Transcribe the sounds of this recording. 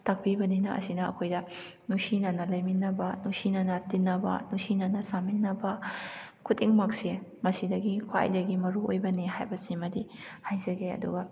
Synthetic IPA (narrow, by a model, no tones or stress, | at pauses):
tɐk̚pibɐninɐʔɐ̰sinɐɐ̰kʰojdɐ | nusinɐnɐlɐjminːɐbɐnusinɐnɐtinːɐbɐ̰nusinɐnɐsaminːɐbɐ | kʰutːiŋmɐk̚semɐsidɐɡikʰwa̰jdɐɡimɐɾuojbɐnihajbɐsimɐdihajzɐɡeɐ̰duɡɐ